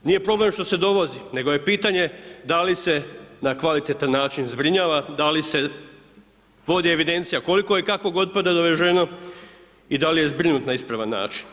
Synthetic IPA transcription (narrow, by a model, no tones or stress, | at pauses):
nije̞pɾo̞ble̞mʃt̪o̞se̞d̪o̞ʋo̞zine̞ɡo̞je̞piːt̪aɲe̞d̪alise̞nakʋalit̪et̪anːaːt͡ʃinzbɾiɲaːʋad̪alise̞ | ʋo̞d̪ie̞ʋid̪e̞nt̪sijako̞liko̞jekakʋoɡo̞d̪̚pad̪ad̪oʋeʒe̞no | id̪alije̞zbɾinut̪naispɾaʋanːa̰ːt͡ʃi̥n